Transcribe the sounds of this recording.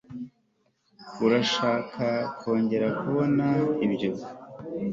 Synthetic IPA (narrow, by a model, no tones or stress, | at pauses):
uɾaʃaːkʰakʰo̞ːɲɟe̞ɾakuβo̞naibɟo